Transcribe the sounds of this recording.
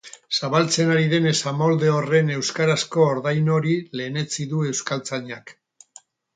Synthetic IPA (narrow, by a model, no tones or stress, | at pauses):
saβalt͡se̞naɾiðe̞ne̞samo̞ld̪e̞ore̞ne̞wskaɾasko̞oɾðajno̞ɾile̞ːne̞t͡siðue̞wskalt͡saɲak